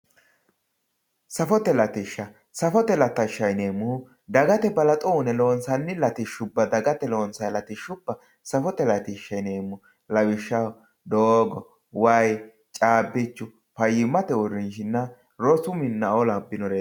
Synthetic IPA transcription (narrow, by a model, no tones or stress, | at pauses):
sɐfɔt̪ɛlɐt̪ɪʃːɐ | sɐfɔt̪ɛlɐt̪ːɐɪʃːɐjne̞ːmːʊh | d̪ɐɡɐt̪ɛbɐlɐt̪ʼuːnɛloːnsɐnːɪlɐt̪ɪʃːʊbːɐd̪ɐɡɐt̪ɛloːnsɐjlɐt̪ɪʃːʊb̥ːɐ | sɐfɔt̪ɛlɐt̪ɪʃːɐjne̞ːmːʊ | lɐwɪʃːɐw | d̪oːɡɔ | waːj | t͡ʃʼaːbːɪt͡ʃːʊ | pɐjɪmːɐt̪ɛɔrɪnʃɪnːɐ | ɾɔsʊmɪnːɐɔlɐbːɪnɔɾe